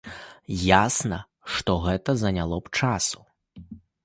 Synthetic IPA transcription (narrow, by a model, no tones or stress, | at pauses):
jasnɐ | ʂt̪ɔɣɛt̪ɐzɐnʲalˠɔpt͡ʂasu̥